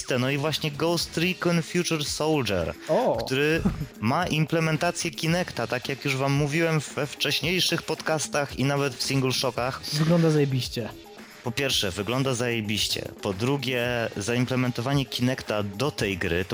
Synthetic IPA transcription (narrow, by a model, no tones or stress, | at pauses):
st̪ɛnɔivwaɕɲɛɡɔwst̪ɾikɔnfʲjut͡ʂuɾsɔwldɛ̰ɾɔkkt̪uɾɘmaʔimplɛmɛnt̪at̪sʲjɛkʲinɛkt̪at̪akjakjuʐvamːuvʲiwɛmvɛft͡ʂɛɕɲejʂɘxpɔt̪kast̪axinavɛt̪fsʲiŋɡlʂɔkaxvɨɡlɔnd̪azajebʲiɕt͡ɕɛ | pɔpʲjɛɾfʂɛvɘɡlɔnd̪azajebʲiɕt͡ɕɛ̰pɔd̪ɾuɡʲɛzaimplɛmɛnt̪ɔvaɲɛkʲinɛkt̪ad̪ɔt̪ɛjɡɾɘ̰t̪ɔ